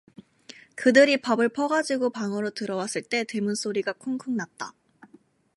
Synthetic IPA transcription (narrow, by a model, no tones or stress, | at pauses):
kɯdɯɾipabɯɭpʰʌɡad͡ʑiɡopaŋʌɾotɯɾʌwas͈ɯɭt͈e̞temuns͈ʰoɾiɡakʰoŋkʰɯŋnat̚t͈a̰